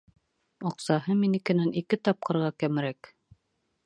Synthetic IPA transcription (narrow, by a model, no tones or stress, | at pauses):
ŏqsɑhɤminikɘ̆nænikɘt̪ɑp̚qɤ̆ɾʁɑkæmɾæk